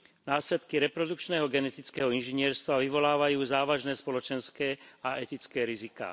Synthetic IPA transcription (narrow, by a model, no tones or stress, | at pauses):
naːslɛt̪kiɾɛpɾɔd̪ukt͡ʃnɛːɦɔɡɛnɛt̪it͡skɛɦɔinʒiɲɪɛɾst̪ʋaʋiʋɔlaːʋajuːzaːʋaʒnɛːspɔlɔt͡ʃɛnskɛːaʔɛt̪it͡skɛːɾizika̰ː